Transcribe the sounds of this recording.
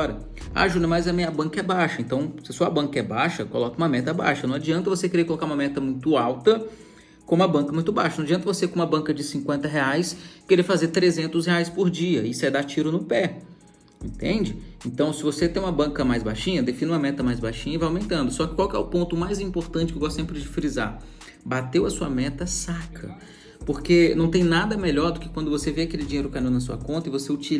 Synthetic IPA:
ɾɐ | a̰ʒud̪ɐmajzɐmĩɲɐbɐ̃ŋkɐɛbaʃɐẽnt̪ɐ̃w̃sɪsɔɐbɐ̃kɐɛbaʃɐkolɔkɐũmɐmɛt̪ɐba̰ʃɐnɐ̃w̃ad͡ʒiɐ̃nt̪ɐvosekeɾeɾkolokaɾũmɐmɛt̪ɐmũj̃t̪ʊawt̪ɐ | kõũmɐbɐ̃kɐnmũj̃t̪ʊbajʃɐnɐ̃ad͡ʒiɐ̃nt̪ɐvosekõũmɐbɐ̃ŋkɐd͡ʒɪsĩŋkwẽnt̪ɐɦeajskeɾefazet̪ɾezẽnt̪ʊsheajspoɾd͡ʒiɐisɛd̪at͡ʃiɾʊnʊpɛ | ḛ̃nt̪ḛ̃d͡ʒɪẽnt̪ɐ̃w̃sɪvoset̪ẽj̃ũmɐbɐ̃kɐmajzbajʃĩɲɐd̪efĩnũmɐmɛt̪ɐmajzbajʃĩɲɐɪvajawmẽnt̪ɐ̃nd̪ʊsɔkɪ̥kwawkɪɛ̰ʊpõnt̪ʊmajzĩpoɾt̪ɐ̃t͡ʃɪkewɡɔst̪sẽpɾɪd͡ʒɪfɾiza̰ | bat̪ewɐsuɐ̰mɛt̪ɐsakʰɐ̰ | poɾkenɐ̃w̃t̪̬ẽj̃nad̪ɐmeʎɔɾd̪ʊkɪ̥kwɐ̃nd̪ʊvoseveakelɪd͡ʒĩejɾʊkanĩw̃nɐs̬uɐ̰kõnt̪ɐɪvoseut͡ʃi

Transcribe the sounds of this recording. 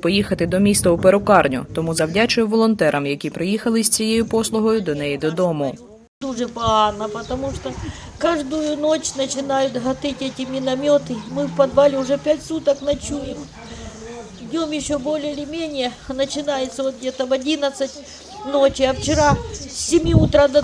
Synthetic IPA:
pɔjixɐt̪ɪd̪ɔmʲist̪ɐʊpeɾɔkɑrnʲʊt̪ɔmuzɐwdʲat͡ʃɪʋɔlˠɔnt̪ɛɾʔɐmjɐkʲipɾɪjixɐlˠɪsʲt͡sʲijejʊpɔslˠʊɦɔjʊd̪ɔnɛjid̪ɔd̪ɔmʊ | d̪uʐɛpɐanɐpɐt̪ɐmuʂt̪o | kaʐd̪ʊjʊnot͡ʃnɐt͡ʃɪnajʊt̪ɦɐt̪ɪtʲɛtʲɪmʲɪnɐmʲot̪ɪmɪwpɐd̪ʋalʲɪʊʐɛpʲatʲsut̪ɐknɐt͡ʃujɪm | ɪdʲomjɪɕːobolʲɪɪlʲɪmʲenʲɪjɛ | nɐt͡ʃɪnajɪt̪sɐot̪̚ɡʲet̪ɐʋɐdʲinɐt̪sɐtʲ | not͡ʃɪɐft͡ʃɪɾasʲɪmʲiut̪ɾad̪ɐ

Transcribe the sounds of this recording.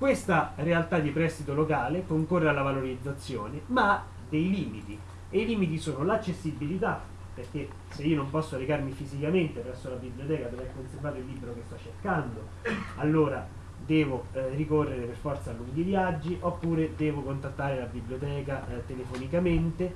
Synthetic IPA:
kwest̪arealt̪ad̪ipɾɛst̪it̪olokaːlepoiŋkorːealːavaloɾid̪zːat̪sːjoːnemaa | d̪ejliːmit̪i | eiliːmit̪̬isoːnolat͡ʃːesːibːilit̪a | perk̟e | seiːonompɔsːoleɡarmifizikament̪epɾɛsːolabiblijot̪ɛːkad̪ovɛkːonservaːt̪oilːiːbɾokest̪ɔt͡ʃːerkand̪o | alːoːɾa | d̪ɛːvorikorːeɾeperfɔrt̪salːuid̪ivjad͡ʒːiʔopːuːɾed̪ɛːvokont̪at̪ːaːɾelabibljot̪ɛːkat̪elefonikament̪e

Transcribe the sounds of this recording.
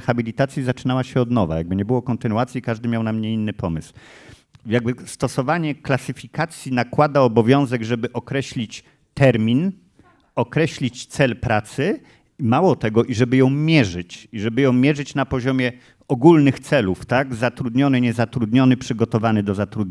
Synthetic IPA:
xabʲilʲit̪at̪sʲjizat͡ʂɘnawaɕɛɔd̪nɔva̰jaɡ̚bɘɲɛbɘwɔkɔnt̪ɘnuat̪sʲjikaʐd̪ɘmʲjawnamɲɛinːɘpɔmɘsw | jaɡ̚bɘst̪ɔsɔvaɲɛklasɘfʲikat̪sʲjinakwad̪aɔbɔvʲjɔ̃w̃zɛɡʐɛbɘʔɔkɾɛɕlʲit͡ɕ | t̪ɛɾmʲin | ɔkɾɛɕlʲit͡ɕt̪sɛlpɾat̪sɘ | mawɔt̪ɛɡɔʔiʐɛbɘjɔ̃w̃mʲjɛʐɘt͡ɕiʐɛbɘjɔ̃w̃mʲjɛʐɘt͡ɕnapɔʑɔmʲjɛ | ɔɡulnɘxt̪sɛluft̪aɡzat̪ɾud̪ɲɔnɘɲɛzat̪ɾud̪ɲɔnɘpʂɘɡɔt̪ɔvanɘd̪ɔzat̪ɾud̪ɲ

